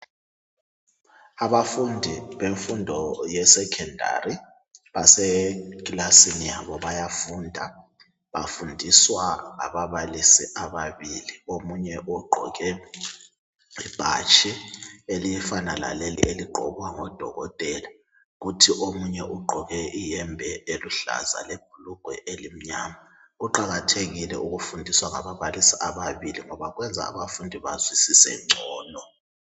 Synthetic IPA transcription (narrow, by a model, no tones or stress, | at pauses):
aβafundʱiβeɱfundʱɔjɛsɛkʰɛndʱa̰ri | βasɛkʼlasinijaβɔβajafuːndʱa | βa̰fundʱiswaa̰βaβalisiʔaβaβiliomuɲɛʔuɡ͡ǃʱɔ̰kɛ | ib̥ʱa̰t͡ʃʰʼielijɛfanala̰lelḭʔeliɡ͡ǃʱɔ̰βwaŋɔd̥ʱɔ̰ɣɔtʼɛla | ɣutʰiʔomuɲɛʔuɡ͡ǃʱɔɣɛʔijɛmbʱɛeluɬa̰za̰leb̥̚ʱuluɡ̥ʱwɛ̰ʔelim̩ɲamauǃaɣatʰeɣilɛ̰ʔuɣufundʱiswaŋa̰βaβalisiaβaβiliŋɔβaɣwɛnd͡zʱa̰ːβafundʱiβazwisisɛ̰nt͡ʃʼɔːnɔ